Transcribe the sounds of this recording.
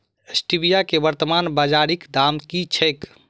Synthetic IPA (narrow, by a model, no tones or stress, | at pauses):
əsʈibijakebəɾt̪əmanbad͡ʒaɾikd̪amkit͡ʃʰəjk